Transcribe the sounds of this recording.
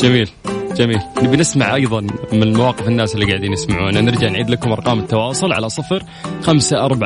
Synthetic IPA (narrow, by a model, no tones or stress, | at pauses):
d͡ʒamiːld͡ʒamiːlnɪbnɪsmaʕʔɑjðˤɑnmɪnɪlmawɑːqɪfɪnːaːsɪlːiɡaʕd̪iːnɪsmaʕṵːnanɪɾd͡ʒaʕnʕiːd̪lakʊmʔɑɾˤqɑːmɪt̪ːɑwɑːsˤʊlʕa̰lasˤɑfɾ | xamsaʔɑɾˤbaʕ